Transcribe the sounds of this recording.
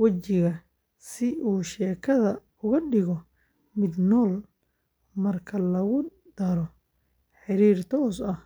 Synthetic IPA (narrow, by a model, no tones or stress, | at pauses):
wɐt͡ʃɪɣɐ | sɪʔuːʃɛːkʰɐðɐ | ʊɣɐɖɪɣɔ | mɪd̪nɔːl | mɐrkʰɐlɐɣʊ | d̪̥ɐɾɔ | ħɪɾiːrt̪ʰɔːsɐh